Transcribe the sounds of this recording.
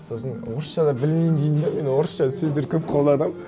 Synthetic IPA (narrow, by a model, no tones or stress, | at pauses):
so̞sənwo̞ɾəsʃɑd̪ɑbɪlmejnd̪ejmd̪eme̞nwo̞ɾəsʃɑsɵzd̪e̞ɾkʲʰɵp̚qʰolˠd̪ɑd̪əm